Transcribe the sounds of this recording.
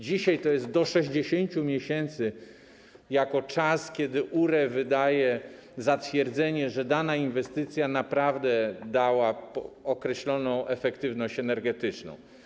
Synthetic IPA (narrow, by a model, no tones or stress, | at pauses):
d͡ʑiɕajt̪ɔjɛst̪̚d̪ɔʂɛʑd͡ʑeɕeɲt͡ɕumʲjeɕɛnt̪sɘ | jakɔt͡ʂaskʲɛd̪ɘʔuɾɛvɘd̪ajɛ | zat̪fʲjɛɾd̪zɛɲɛʐɛd̪anainvɛst̪ɘt̪sʲjanapɾavd̪ɛd̪awaɔkɾɛɕlɔnɔ̃w̃ʔɛfɛkt̪ɘvnɔɕt͡ɕɛnɛɾɡɛt̪ɘt͡ʂnɔ̰̃w̃